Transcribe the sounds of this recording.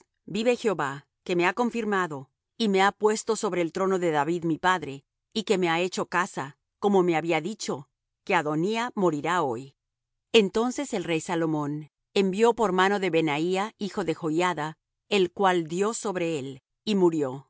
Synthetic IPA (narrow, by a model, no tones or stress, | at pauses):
biβe̞xjo̞βa | ke̞me̞ako̞ɱfiɾmaðo̞ | ime̞apwe̞st̪o̞so̞βɾe̞ːlt̪ɾo̞no̞ðe̞ðaβiðmipaðɾe̞ | ike̞me̞ae̞t͡ʃo̞kasa | ko̞mo̞me̞aβiaðit͡ʃo̞ | ke̞aðo̞niamo̞ɾiɾao̞j | e̞nt̪o̞nse̞se̞lrejsalo̞mo̞n | e̞mbjo̞po̞ɾmano̞ðe̞βe̞naiaixo̞ðe̞xo̞jaða | elkwald̪jo̞so̞βɾe̞el | imuɾjo̞